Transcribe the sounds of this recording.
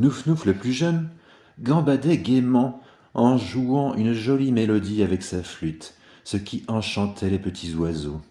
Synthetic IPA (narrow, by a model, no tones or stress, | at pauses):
nufnufləplyʒən | ɡɑ̃bad̪ɛɡʲemɑ̃ | ɑ̃ʒuɑ̃ʔynʒɔlimelɔd̪iavɛksaflyt̪ | səkʲiʔɑ̃ʃɑ̃t̪ʰɛlepət̪ʰizwazo